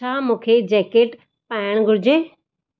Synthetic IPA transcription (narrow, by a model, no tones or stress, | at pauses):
aːmũːkʰed͡ʑɛːkeːʈ | paːɪəɽ̃ɡʱʊɽɪd͡ʑẽː